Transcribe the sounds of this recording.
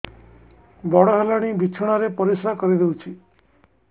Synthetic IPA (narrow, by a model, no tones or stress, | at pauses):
bɔɽaɦalaɽ̃ibʱit͡ʃʰəɽ̃aɾepəɾisakəɾid̪eut͡ʃʰi